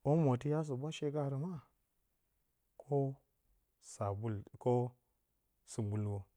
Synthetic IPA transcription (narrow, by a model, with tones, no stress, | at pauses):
o˦mo˨ti˦ja˦s̬o˨bʷa˦ʃe˦ɡa˦˨ɾi˨ma˦ | kʰo˦ | sa˨bu˦lko˦ | su˨bu˨lwo˨